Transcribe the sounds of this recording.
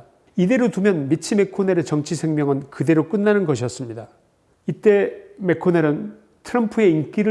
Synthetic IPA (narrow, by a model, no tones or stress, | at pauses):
ide̞ɾotumjʌnmit͡ɕʰime̞kʰoneɾet͡ɕʌŋt͡ɕʰisʰe̞ŋmjʌŋɯnkɯde̞ɾok͈ɯnːanɯnɡʌɕʰiʌs͈ɯmɲida | it͈e̞me̞kʰoneɾɯn | tʰɯɾʌmpʰue̞ink͈iɾɯ